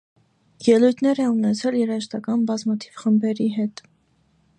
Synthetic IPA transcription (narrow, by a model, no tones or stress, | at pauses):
jɛlujt̪ʰnɛɾɛunɛt͡sʰɛljɛɾɑʃt̪ɑkɑnbɑzmɑt̪ʰiv̥χəmbɛɾiɦɛt̪